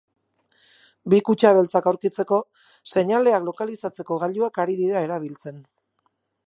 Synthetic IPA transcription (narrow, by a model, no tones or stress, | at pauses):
bikut͡ʃaβe̞lt͡sakawɾkit͡se̞ko̞ | se̞ɲale̞aklo̞kalisat͡se̞ko̞ɣ̞aʎuakaɾiðiɾae̞ɾaβ̞ilt͡se̞n